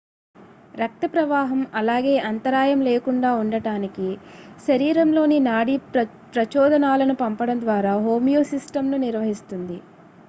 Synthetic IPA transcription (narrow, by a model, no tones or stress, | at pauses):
ɾɐk̚t̪ɐpɾɐʋaːɦɐmɐlaːɡe̞ːʔɐnt̪ɐɾaːjɐmleːkuɳɖaːuɳɖɐɽaːnikiʃɐɾiːɾɐmlo̞ːninaːɽi | pɾɐt͡ʃɔːd̪ɐnaːlɐnupɐmpɐɽɐnd̪ʋaːɾaːɦo̞ːmijoːsisʈɐmnuniɾʋɐɦist̪und̪i